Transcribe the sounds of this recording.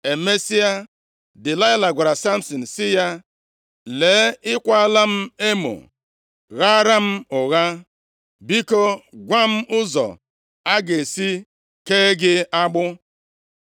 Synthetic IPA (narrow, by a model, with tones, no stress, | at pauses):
e˨me˦si˦a˦ | dɪ˨la˦ɪ˦la˨ɡʷa˨ɾa˨sa˦m̩˦sɔ˨n̩˨sɪ˦ja˦ | le˨˦ɪ˦kʷa˦la˦m̩˦e˦mo̰˨ | ɣa˦ɾa˦m̩˦ʊ˨ɣa˦ | bi˦ko˦ɡʷa˦m̩˦ʊ˦zɔ̰˨ | a˦ɡe˨si˦ | keː˦ɡɪ˦a˦ɡ͡bʊ˦